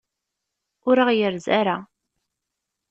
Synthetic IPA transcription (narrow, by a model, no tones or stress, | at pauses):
ʊɾaʁjəɾzaɾa